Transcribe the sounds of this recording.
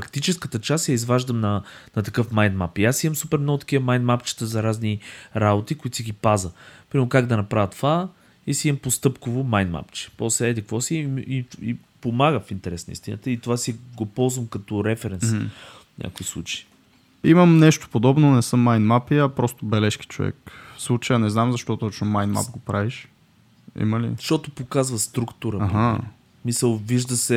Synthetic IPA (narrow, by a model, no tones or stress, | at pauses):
pɾɐkt̪it͡ʃɛskət̪ət͡ʃast̪jɐizvaʒd̪əmnɐnɐt̪ɐkɤfmajnmapiasimɐmsupɛɾmnɔɡʊt̪ɐ̥kivəmajnmapt͡ʃi̥t̪əzɐɾazniɾabot̪ikʊit̪siɡipazəpɾimɛɾʊkaɡd̪ɐnɐpɾavət̪ːova | isiimɐmpost̪ɤpkovʊmajnma̰pt͡ʃɛ̥pɔsɛd̪ikvɔsiii | pomaɡəfint̪ɛɾɛsnəḭst̪ʲinə̰t̪əit̪ovasiɡopɔlˠzvəmkɐt̪ɔɾɛfɛɾɛn | fɲʲʔa̰kʊislˠṵt͡ʃə̥i | imɐmnɛʃt̪o̥pod̪ɔbnonɛsɤmːajnmapiɐpɾɔst̪obɛlɛʃki̥t͡ʃo̰vɛ̰kfslˠut͡ʃəjənɛznamzɐʃt̪ɔt̪ɔt͡ʃnomajnma̰pɡopɾaviʃ | ḭməlḭʃt̪ɔt̪opokazvəst̪ɾukt̪uɾəaɦa | smisəlˠviʒd̪əsɛ